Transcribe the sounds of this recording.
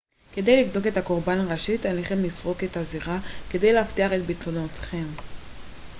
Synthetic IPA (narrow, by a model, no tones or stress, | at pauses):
ke̞d̪e̞jliɡdo̞ɡe̞t̪ako̞ʁbanaʁaʃit̪aleχemlisʁo̞ket̪aziʁake̞d̪e̞jlehaft̪iaʁe̞t̪bit̪lonot̪χe̞m